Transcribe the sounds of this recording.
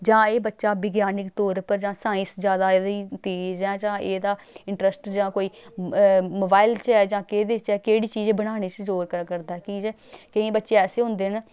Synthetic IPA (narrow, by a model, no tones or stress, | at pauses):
d͡ʒãːeːbətːʃaːbɪɡjaːnɪkt̪ɔːɾpəɾd͡ʒãːsãːɪ̃sd͡ʒjaːd̪aːd̪iːt̪eːd͡ʒɛ̃ːd͡ʒãːʔeːd̪aː | ɪɳʈɾəsʈd͡ʒãːkoːiː | moːbaːɪlt͡ʃɛːd͡ʒãːkeːd̪eːt͡ʃɛːkeːɽiːt͡ʃiːd͡ʒbəɽ̃aːɽ̃eːt͡ʃzoːɾkəkəɾd̪aːɛːkĩːd͡ʒɛ | kəĩːbətːʃeːɛːseːɦʊ̃nd̪eːn